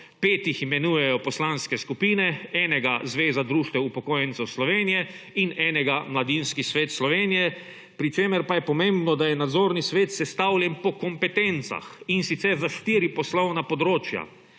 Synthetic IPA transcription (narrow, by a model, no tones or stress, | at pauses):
peːt̪iximɛnuːjɛjɔpɔslanskɛskupiːnɛɛːnɛɡazʋeːzad̪ɾuːʃt̪ʋɛupɔkoːjɛnt̪sɛwslɔʋeːnijɛ | inɛːnɛɡamlad̪inskisʋeːt̪slɔʋeːnijɛ | pɾit͡ʃeːmɛɾpajɛpɔmẽmbnɔd̪ajɛnad̪zoːɾnisʋeːt̪sɛst̪awlʲjɛnpɔkɔmpɛt̪ent̪sa̰xinsit̪sɛɾzaʃt̪iːɾipɔslɔwnapɔd̪ɾoːt͡ʃja̰